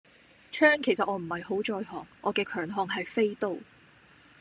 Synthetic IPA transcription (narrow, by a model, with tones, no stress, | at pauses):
t͡ʃʰœː˥ŋkʰe˨˩js̬ɐ˨t̚ʔɔː˨˧m̩˨˩hɐ˨jho˨˥wt͡ʃɔː˧jɦɔː˨˩ŋʔɔː˨˧kɛː˧kʰœː˨˩ŋɦɔː˨ŋɦɐ˨jfe˥jt̪o˨˧w